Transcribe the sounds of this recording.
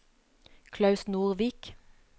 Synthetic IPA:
kʰlɑʉsnuːʁʋiːk

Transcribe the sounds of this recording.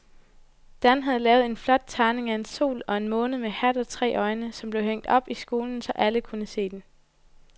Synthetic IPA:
d̥ænɦæð̞̩ˠlɛːʊð̞̩ˠe̝nflɒ̽d̥̚t͡sʰɑ̈ːne̝ŋæe̝nso̝̰ːlɒ̽e̝nmɔ̽ːnəmehæd̥ɒ̽t͡sʰʁɛ̰ːʔɒ̽ɪnəsɒ̽mb̥leɦeŋ̰d̥ɒ̽b̥isɡ̥o̝ːln̩sɒ̽ʔæləkʰunəse̝̰ːd̥en

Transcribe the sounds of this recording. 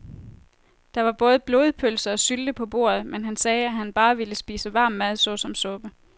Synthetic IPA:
d̥ɑ̈ʋɑ̈b̥ɔ̽ːð̞̩ˠəb̥lo̝ːð̞̩ˠpʰøl̰sɐɒ̽syld̥əpʰɒ̽b̥o̝̰ɐð̞ˠmenɦænsɛːæɦænb̥ɑ̈ːʋiləsb̥ḭːsəʋɑ̈ːmːæðˠsɒ̽sɒ̽msɔ̽b̥ə

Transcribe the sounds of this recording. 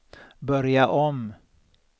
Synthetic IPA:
bœɾjaʔɔm

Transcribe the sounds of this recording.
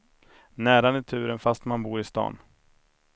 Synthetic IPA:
næːɾanɪt̪ʰʉ̟ːɾənfast̪manbuːɾɪst̪ɑ̰ːn

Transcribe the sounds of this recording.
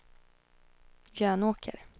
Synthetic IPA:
jœːnoːkʰə̰ɾ

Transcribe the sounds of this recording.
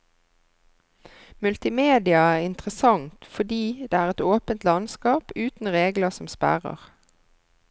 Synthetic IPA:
mʉlt̪ɪmeːd̪ɪɑæːʁɪnt̪ʁəsɑŋt̪fɔd̪iːd̪eːæːʁɛt̪oːpənt̪lɑnskɑːpʉːt̪n̩ʁeːɡləsɔmspæ̰ʁə̰ʁ

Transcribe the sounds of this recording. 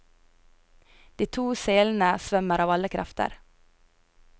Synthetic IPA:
d̪̥iːt̪ʰuːseːln̩əsʋœməɾɑːʋɑləkʰɾɑ̰ft̪ə̰ɾ

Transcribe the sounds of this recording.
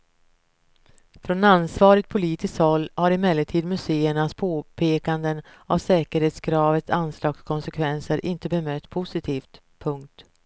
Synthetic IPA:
fɾɔnansvɑːɾɪt̪̚pʰʊliːt̪ɪskt̪hɔlːhaɾɪmɛːlːəʈ̪ʰiːd̪mɵseːəɳaspʰoːpʰeːkand̪ənavsɛːkəɾheːt̪sɡɾɑːvət̪sanslɑːɡskʰɔnsɛkʰvɛnsəɾʔɪnt̪əbɛmœt̪ːpʰʊsɪt̪ʰiːft̪ | pʰɵŋk̚t̪

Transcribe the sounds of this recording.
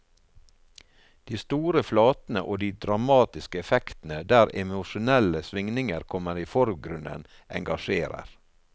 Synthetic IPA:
d̪̥iːst̪uːɾəflɑːt̪n̩ə̰ʔoːd̪iːd̪ɾɑmɑːt̪ɪskəɛfɛkt̪n̩əd̪æːɾɛmʊʃʊnɛləsʋɪŋnɪŋəɾkʰɔməɾiːfɔɾɡɾʉnə̰n | ʔɛ̰ŋɡɑʃeːɾə̰ɾ

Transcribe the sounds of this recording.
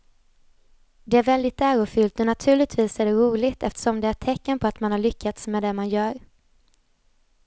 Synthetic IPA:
d̪ɛæɾvɛld̪ɪt̪ːæːɾʊfʏlt̪ɛnat̪ʰʉ̟ːɭɪt̪ʰviːsæɖɛɾuːlɪɡt̪ɛft̪ə̥ʂɔmd̪ɛæʈt̪ʰːɛkːənpʰɔat̪manhaɭʏkʰːat̪smɛd̪ɛmanjœːɾ

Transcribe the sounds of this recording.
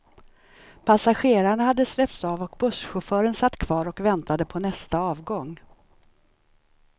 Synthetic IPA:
pʰasaɧeːɾaɳahad̪ːəslɛp̚t̪sɑːvɔkbɵʂɧʊfœːɾənsat̪ːkʰv̥ɑːɾɔkvɛnt̪ad̪əpʰɔnɛst̪aɑːvɡɔŋ

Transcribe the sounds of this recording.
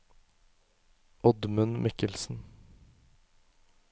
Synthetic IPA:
ʔɔd̪mʉnmʔɪkəlsn̩

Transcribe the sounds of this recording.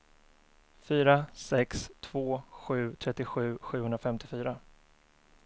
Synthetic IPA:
fyːɾasɛkst̪ʰv̥oːɧʉ̟ːt̪ʰɾɛt̪ːɪɧʉ̟ːɧʉ̟ːhɵnɾafɛmt̪ɪfyːɾa

